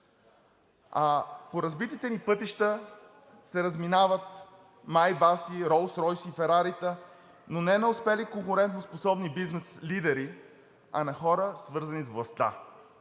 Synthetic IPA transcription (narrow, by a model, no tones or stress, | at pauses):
apoɾɐzbit̪it̪ɛnipɤt̪iʃt̪ə | sɛɾɐzminavət̪ | majbasiɾɔlˠsɾɔjsifɛɾaɾit̪ə | nonɛnɛʊspɛlikoŋkʊɾɛnt̪nosposɔbnibiznɛslid̪ɛɾi | ɐnɐxɔɾəsvɤɾzɐnizvlˠɐst̪a̰